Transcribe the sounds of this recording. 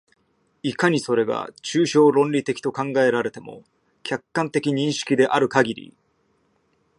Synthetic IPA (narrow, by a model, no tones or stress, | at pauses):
ikaɲ̟iso̞ɾe̞ɡa̰t͡ɕɨːɕo̞ːɾõ̞nɾʲit̪e̞kʲi̥t̪o̞kãŋɡae̞ɾaɾe̞t̪e̞mo̞̰ | kʲʰakːãnt̪e̞kʲiɲ̟ĩɰ̃ɕi̥kʲid̪e̞ʔaɾɯ̟kaɡʲiɾʲḭ